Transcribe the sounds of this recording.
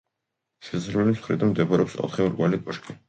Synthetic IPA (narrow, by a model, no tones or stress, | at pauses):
ʃɛsɾmɛlipsχɾḭd̪anmd̪ɛbaɾɛɔpsɔ̰t̪ʰχimɾɡʼwalikʼɔʃkʼi